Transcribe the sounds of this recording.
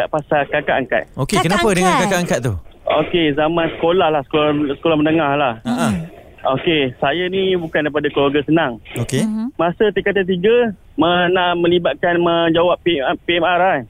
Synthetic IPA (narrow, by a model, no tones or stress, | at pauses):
aʔpasakaka̰ʔaŋka̰t̪̚okekənapədəŋãnkakaʔaŋkat̪̚t̪uo̰kezamãnsə̥kolahlahsə̥kosə̥kolahmənəŋahlahaʔa | okesajanibukandajp̬adakloɡasənaŋokemãsət̪ekat̪at̪̬iɡə | mənaʔmə̃libat̪̚kanməd͡ʒawap̚epiɛmara